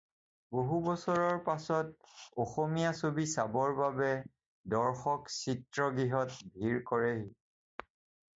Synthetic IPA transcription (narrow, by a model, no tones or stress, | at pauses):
boɦubɔsɔɹɔɹpasɔt̚ɔxɔmijasobisabɔɹbabɛ | dɔɹxɔksitɹɔɡɹiɦɔtbʱiɹkɔɹɛɦi